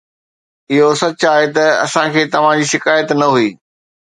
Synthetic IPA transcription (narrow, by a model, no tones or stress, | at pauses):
ɪɦosɐt͡ɕaːɦet̪ɐɐ̰sãkʰeːt̪ɐʋ̤ãd͡ʑiːʃɪkaːjət̪nɐɦuiː